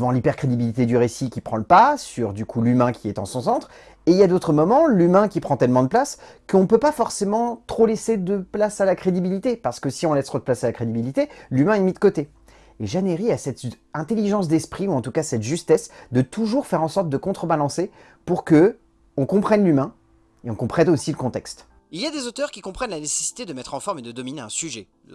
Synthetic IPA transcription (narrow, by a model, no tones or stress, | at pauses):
əvɑ̃lipɛʁkχed̪ibilit̪ed̪yʁesikʲipχɑ̃ləpasyʁd̪ykʰulymɛ̃kʲiɛt̪ɑ̰̃sɔ̃sɑ̃t̪χ | eiljad̪ot̪χəmɔmɑ̃lymɛ̃kʲipχɑ̃t̪ɛlmɑ̃d̪əplaskəɔ̃pøpafɔʁsemɑ̃t̪χolesed̪əplasalakχed̪ibilit̪epaʁsə̥kəsiɔ̃lɛst̪χod̪əplasalakχed̪ibilit̪elymɛ̃ɛmid̪əkot̪e | eʒaneʁiasɛt̪ɛ̃t̪eliʒɑ̃s̬d̪ɛspχiuɑ̃t̪ukasɛt̪ʒyst̪ɛsd̪ət̪ʰuʒuʁfɛʁɑ̃sɔʁt̪̚d̪əkɔ̃t̪χəbalɑ̃se | puʁkə | ɔ̃kɔ̃pχɛnlymɛ̃ | eɔ̃kɔ̃pχɛd̪osiləkɔ̃t̪ɛkst̪ | ilijad̪ezot̪œʁkʲikɔ̃pχɛnlanese̥si̥t̪ed̪əmɛt̪χɑ̃fɔʁmed̪əd̪ɔmineɛ̃syʒɛ